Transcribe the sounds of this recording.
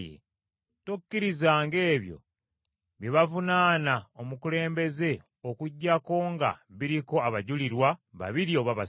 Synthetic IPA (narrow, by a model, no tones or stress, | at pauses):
jḛ | tukːiɾizaːŋɡe̞ːβjo̞̰ | βjeβavunaːnaomukule̞ːmbe̞ze̞ | okuɟːako̞ŋɡa̰βiɾiko̞aβaɟuliɾwaβa̰βiɾio̞βaβa